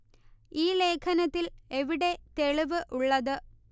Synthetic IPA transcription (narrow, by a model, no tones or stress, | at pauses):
iːle̞ːkʰɐnɐt̪ːile̞ʋiɽe̞t̪e̞ɭiʋɨʔuɭːɐðɨ